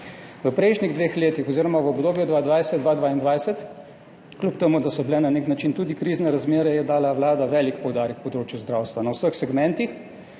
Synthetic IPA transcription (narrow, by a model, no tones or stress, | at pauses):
ʋəpɾɛjʃniɣd̪ʋeːxleːt̪ixɔziːɾɔmaʋəobd̪oːbjud̪ʋaːd̪ʋajsɛd̪d̪ʋad̪ʋaind̪ʋajsɛt̪ | klupt̪ɛmud̪asɔblɛnaneknat͡ʃint̪ud̪ikɾiːznɛɾazmeːɾɛjɛd̪aːlaʋlaːd̪aʋɛlikpɔwd̪aːɾjɛkpɔd̪ɾoːt͡ʃjuzd̪ɾaːwst̪ʋanawsəxsɛɡmɛ̃nt̪ix